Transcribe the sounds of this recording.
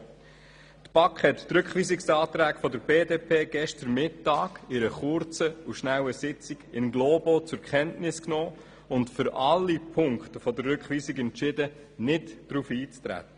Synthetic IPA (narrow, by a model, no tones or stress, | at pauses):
t̪b̥ɑkχhɛtːɾʏkχʋiːsɪksɑːt̪ɾæːkfɔdəɾbeːdeːpʰeːɡɛʃtəɾmɪtːɑːɡɪɾəχʊɾt͡səuʃnæwəsɪt͡siɡɪnɡloːbot͡sʊɾkɛntnɪsknɔː | ʊntfʏɾɑlːipʰʊŋkχtəfɔdəɾrʏkχʋiːsiɡɛnt͡ʃɪdə | nɪtd̥ɾufiːt͡st̪ɾæ̰tə̥